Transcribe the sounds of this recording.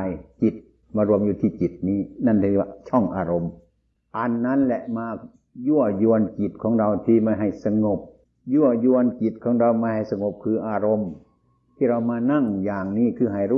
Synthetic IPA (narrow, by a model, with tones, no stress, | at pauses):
jt͡ɕi˨˩t̪̚ | maː˧ɾu˧əmjuː˧t̪ʰiː˧˩t͡ɕi˨˩t̪̚niː˧˥˨na˧˩nt̪ʰːa˧t͡ɕʰɔ˧˩ŋʔaː˧ɾo˧m | ʔa˧nːa˦˥˨nlɛ˧ʔmaː˧ | ju˧˥˩ɐju˧ənki˨˩t̪̚kʰɔː˨˦ŋɾa˧wt̪ʰiː˧˩ma˧˩ɦa˧˨˩jsa˧ŋo˨˩p̚ | ju˧˥˩ɐjuː˧ənki˨t̪̚kʰɔː˨˦ŋɾa˧wmaː˧˥˩ha˨˩jsa˧ŋo˨˧˦p̚kʰɯː˧ʔaː˧ɾo˧m | t̪ʰiː˧˨ɾa˧wmaː˧na˧˥˩ŋjaː˨˩ŋniː˧˥˩kʰɯː˧˩ɦa˧˩jɾuː˧˨